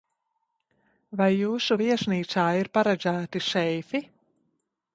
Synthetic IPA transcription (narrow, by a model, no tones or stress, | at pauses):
vajːuːsuviɛʃniːt̪saːiɾpaɾɛd̪zæːt̪iʃɛjfi